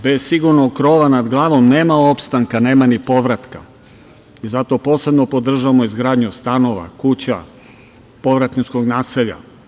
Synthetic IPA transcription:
be̞zsiɡuɾnoɡkɾo̞ːʋanad̪ɡlˠaːʋo̞mne̞ːmaopst̪aŋkane̞ːmanipo̞ʋɾat̪ka | izat̪o̞po̞ːse̞bnopo̞d̪r̩ʒaamoizɡɾaːd̪ɲust̪ano̞ʋa̰kut͡ɕa | po̞ʋɾat̪nit͡ʃko̞ɡnaːseʎa̰

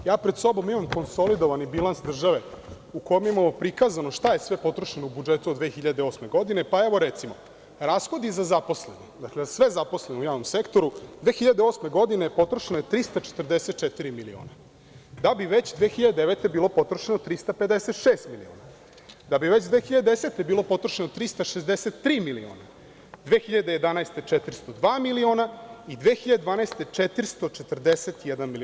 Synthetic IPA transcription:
jaːpɾed̪so̞bo̞mimamko̞nso̞lid̪oʋanibilˠansd̪r̩ʒaʋe̞ | uko̞jomjimamopɾikazanoʃt̪ajesʋepo̞t̪ɾoʃenoubud͡ʒet̪uod̪ʋeːxiʎad̪eo̞sme̞ɡo̞d̪ine̞paɛʋo̞ɾet̪simo | ɾasxo̞d̪izazapo̞slenid̪aklezasʋezaposleneujaːʋnomsekt̪o̞ɾud̪ʋeːxiʎad̪eo̞sme̞ɡo̞d̪inepo̞t̪ɾoʃenojet̪ɾist̪at͡ʃe̥t̪rd̪eset̪̚t͡ʂɛt̪iɾimilio̰ːna | d̪abiʋet͡ɕd̪ʋeːxiʎad̪ed̪eʋet̪ebiːlo̞po̞t̪ɾoʃenot̪ɾist̪aped̪eset̪ʃeːst̪milḭo̰ːna | d̪abiʋet͡ɕd̪ʋeːxiʎad̪ed̪eset̪ebiːlo̞po̞t̪ɾoʃenot̪ɾist̪aʃezd̪eset̪ːɾiːmilio̰ːna | d̪ʋeːxiʎad̪ejed̪anajst̪et͡ʂet̪ɾist̪od̪ʋaːmilionaid̪ʋeːxiʎad̪ed̪ʋaːnajst̪et͡ʂet̪ɾist̪ot͡ʃet̪r̩d̪eset̪jɛd̪anmili

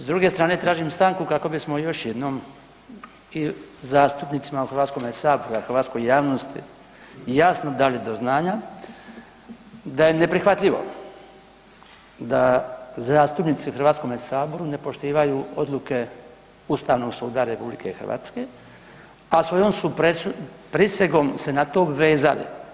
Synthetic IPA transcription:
zd̪ɾuɡe̞st̪ɾaːne̞t̪ɾaːʒimst̪aːŋkukako̞bismo̞jo̞ʃjed̪nom | izaːst̪upnit̪simauxɾʋat̪sko̞mesaːbo̞ɾuaxəɾʋaːt̪sko̞jjaːʋnost̪ḭ | jasnod̪alid̪o̞znaːɲa | d̪aje̞ne̞pɾixʋat̪lʲiʋo̞̰ | d̪azaːst̪upnit̪siuxrɾʋaːt̪ko̞mesaːbo̞ɾune̞po̞ʃt̪iːʋajuːo̞d̪lˠuke̞ | ust̪aːʋno̞ɡsuːd̪aɾe̞publḭkexɾrʋa̰ːt̪ske | asʋo̞jomsupupɾiseɡo̞mse̞nat̪o̞bʋeːza̰lḭ

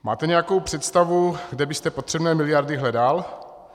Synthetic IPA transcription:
ma̰ːt̪ɛɲɛjako̞wpr̝̥ɛt̪st̪avuɡdɛbɪst̪ɛpot̪r̝̥ɛbnɛːmɪlɪjaɾdɪɦlɛdal

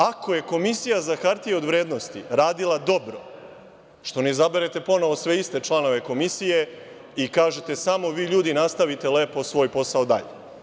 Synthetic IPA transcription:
ako̞je̞ko̞misijazakaɾt̪ijeo̞d̪ʋɾeːd̪no̞st̪iɾaːd̪ilˠad̪o̞bɾo̞̰ | ʃt̪o̞nezabe̞ɾe̞t̪e̞po̞no̞ʋo̞sʋe̞ist̪e̞t͡ʃlˠano̞ʋe̞ko̞misije̞ | ikaːʒet̪e̞samo̞ʋiːʎuːd̪inast̪aʋit̪e̞leːpo̞sʋo̞ːjpo̞saod̪a̰ʎe

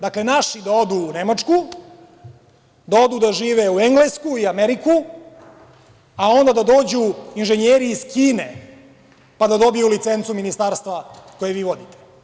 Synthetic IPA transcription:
d̪akle̞naʃid̪ao̞d̪uːnemat͡ʂku | d̪ao̞d̪ud̪aʒiːʋeueŋɡleskuiameɾiku | ao̞nd̪ad̪ad̪o̞ːd͡ʑuinʒeɲeɾiːzkiːne̞ | pad̪ad̪o̞bijulit̪se̞nt̪suminist̪aːɾst̪ʋako̞jeʋiːʋo̞d̪it̪e̥

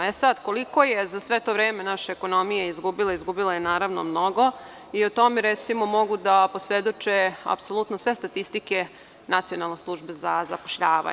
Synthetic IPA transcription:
esad̪ko̞liko̞jezasʋe̞t̪o̞ʋɾeːmenaʃeeko̞no̞mijeizɡubileizɡubilajenaːɾaʋno̞̰mno̞ɡo̞ | iot̪o̞meɾet̪simo̞mo̞ɡud̪aposʋed̪o̞t͡ʃea̰psolˠut̪nosʋe̞st̪at̪ist̪ike | nat̪sio̞nalˠne̞slˠuʒbezazapoʃʎaːʋa̰

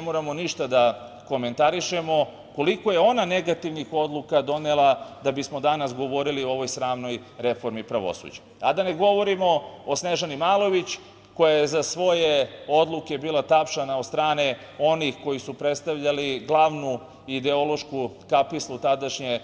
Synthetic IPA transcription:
moːɾamo̞niʃt̪ad̪a | ko̞me̞nt̪aɾiʃe̞mo̞ | ko̞liko̞je̞o̞nane̞ɡat̪iʋnixo̞d̪lukad̪o̞nelˠad̪abismo̞d̪anasɡo̞ʋo̞ɾilioo̞ʋo̞jsɾaːmno̞jɾe̞fo̞ɾmipɾaʋo̰sṵd͡ʑe̥ | ad̪ane̞ɡo̞ʋo̞ɾimo̞osneʒanimaːlˠo̞ʋit͡ɕ | ko̞jajezasʋo̞je̞o̞d̪luke̞biːlˠat̪apʃanaod̪st̪ɾaːne | o̞nixko̞jisupɾet̪st̪aʋʎaliɡlˠaːʋnu | id̪eo̞lˠo̞ʃku | kapislˠut̪ad̪aʃɲe

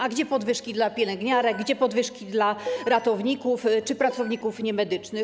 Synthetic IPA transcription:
aɡd͡ʑɛpɔd̪vɘʂkʲid̪lapʲjɛlɛŋɡɲaɾɛɡ̚ɡd͡ʑɛpɔd̪vɘʂkʲid̪laɾat̪ɔvɲikuft͡ʂɘpɾat̪sɔvɲikufɲɛmɛd̪ɘt͡ʂnɘ

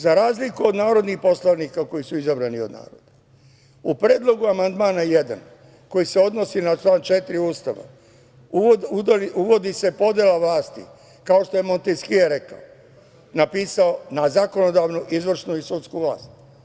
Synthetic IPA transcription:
zaɾaːzlikuo̞d̪naːɾo̞d̪nixpo̞slˠaʋnikako̞jisuizabɾanio̞d̪na̰ːɾo̰d̪̥a | upɾeːd̪lo̞ɡuamand̪maːnajed̪a̰n | ko̞jise̞o̞d̪no̞sinat͡ʃlˠaːnt͡ʃet̪iɾiuːst̪a̰ʋa̰ | u | uʋo̞d̪ise̞po̞d̪jelˠaʋlaːst̪ḭ | kao̞ʃt̪o̞je̞mo̞nt̪eskieɾeka̰o | napiːsao̞nazako̞no̞d̪aːʋnuʔizʋr̩ʃnuisut̪skuʋla̰ːst̪̚

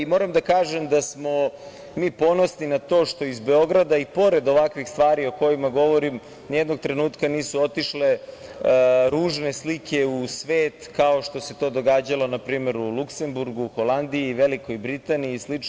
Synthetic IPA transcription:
imo̞ːɾamd̪akaːʒemd̪asmo̞ | miːpo̞no̞sninat̪o̞ːʃt̪o̞izbe̞o̞ɡɾad̪aipo̞ɾe̞d̪o̞ʋakʋixst̪ʋaːɾio̞ko̞jimaɡo̞ʋo̞ɾim | njed̪noɡ̚t̪ɾe̞nuːt̪kaniːsuo̞t̪iʃle̞ | ɾuːʒne̞slikʰe̞usʋeːt̪kao̞ʃt̪o̞se̞t̪o̞ːd̪o̞ɡaːd͡ʑalo̞napɾiːme̞ɾulˠukse̞mbuɾɡuxo̞land̪iiʋe̞liko̞jbɾit̪aniiːslit͡ʃ

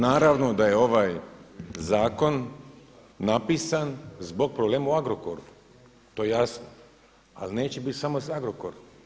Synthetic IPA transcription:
naːɾaʋno̞d̪ajeo̞ʋaːjzaːko̞nː | apiːsanzbo̞ɡ̚pɾobleːmauaɡɾoko̰ɾu | t̪ojejasno | a̰line̞ːt͡ɕebit̪ʲsamo̞saɡɾokoɾom

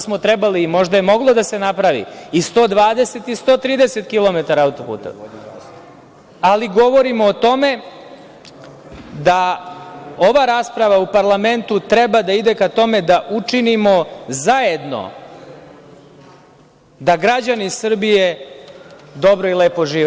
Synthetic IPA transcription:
smo̞t̪ɾɛbaliːmo̞ʒd̪ajemo̞ɡlˠo̞d̪ase̞napɾaʋḭist̪o̞ːd̪ʋaːd̪e̞se̞t̪ist̪o̞ːt̪ɾiːd̪ese̞t̪kilˠo̞met̪aɾaːut̪opṵːt̪o̰ | aliɡo̞ʋo̞ɾimoːt̪o̞me̞ | d̪a | o̞ʋaɾaːspɾaʋaupaɾlˠame̞nt̪ut̪ɾebad̪aid̪e̞kat̪o̞me̞d̪aʔut͡ʂinimo̞zajed̪no̞̰ | d̪aɡɾad͡ʑanisr̩bije | d̪o̞bɾo̞ilepo̞ʒiːʋ

